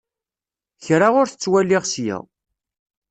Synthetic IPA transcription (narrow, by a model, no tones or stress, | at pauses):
çɾaʁʊɾθət͡sːwælːɪʁsjæ̰w